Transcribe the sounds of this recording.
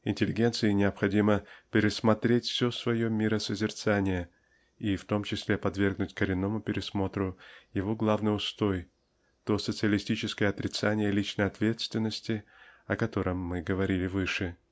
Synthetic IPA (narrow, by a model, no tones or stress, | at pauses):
ɪnʲtʲɪlʲɪɡʲe̞nt̪sɨɪnʲɪɐpxɐdʲiməpʲɪɾʲɪsmɐt̪ɾʲetʲfsʲosvɐjo̞mʲɪɾəsəzʲɪrt̪sanʲɪjə | ift̪o̞mt͡ɕɪsʲlʲepɐd̪vʲe̞rɡnʊtʲkəɾʲɪnːo̞mʊpʲɪɾʲɪsmo̞t̪ɾʊjɪvo̞ɡlˠavnɨjʊst̪o̞j | t̪o̞sət̪sɨəlʲɪsʲtʲit͡ɕɪskəjəɐt̪ɾʲɪt̪sanʲɪjəlʲit͡ɕnəjɐt̪vʲe̞t̪st̪vʲɪnːəsʲtʲɪɐkɐt̪o̞ɾʔəmːɨɡəvɐɾʲilʲɪvɨʂɨ